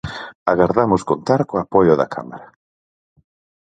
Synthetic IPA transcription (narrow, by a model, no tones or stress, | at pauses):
aɣaɾðamʊskont̪aɾkoapɔjʊða̰kʰa̰ma̰ɾa